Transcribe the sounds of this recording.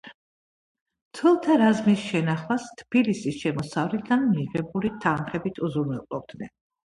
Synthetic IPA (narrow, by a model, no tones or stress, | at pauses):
t̪ʰwɛlˠt̪ʰaɾazmisʃɛnaχlast̪ʰb̥ilisisʃɛmɔsavɾid̪anmiʁɛbulit̪ʰanχɛbit̪ʰuzuɾnɛlqʼɔb̚d̪̥nɛn